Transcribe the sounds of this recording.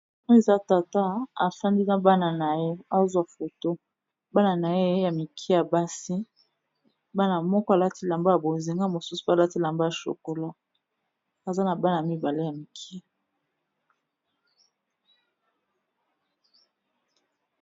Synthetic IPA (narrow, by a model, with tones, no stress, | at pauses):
o˦e˨za˦ta˨ta˦a˨fa˦ndi˦na˦ba˦na˨na˨je˦a˦zwa˨fo˨to˦ | ba˦na˨na˨je˦ja˨mi˨kʰi˦ja˨ba˦si˦ | ba˦na˨mɔ˦kɔ˦a˨la˦ti˦la˨mba˦ja˨bo˨zi˨ŋɡa˦˨mo˨su˦su̥˨pla˦ti˦la˨mba˦ja˨ʃo̰˨ko˨la˦ | a˨za˦na˨ba˦na˨a˨mi˦ba˨le˦ja˨mi˨kʰi˦